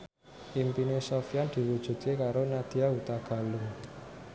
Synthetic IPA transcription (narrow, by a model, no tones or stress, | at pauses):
ʔimpinesɔfiand̪̥i̤wud̥ʒ̥ṳt̪̚kekaɾonad̪̥iaut̪aɡ̥a̤lu